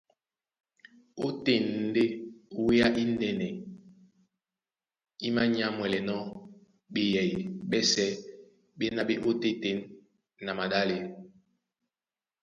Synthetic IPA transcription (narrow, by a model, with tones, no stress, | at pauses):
o˦te˨n˦de˦we˦a˦ʔi˦nɛ˨nɛ˨ | i˦ma˦ɲ˦a˦mwɛ˨lɛ˨nɔ˦ | ɓe˨jɛ˨ji˨ɓɛ˦sɛ˦ | ɓe˦na˦ɓe˦ʔo˦te˦te˨nː | a˨ma˨ɗa˦le˨